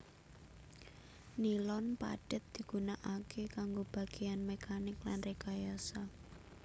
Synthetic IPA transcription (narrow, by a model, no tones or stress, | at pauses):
nilɔnpa̰ɖ̥ə̤t̪̚d̪̥i̤ɡ̥unaʔakekaŋɡob̥a̤ɡ̥ejanmekanɪklanrekajasa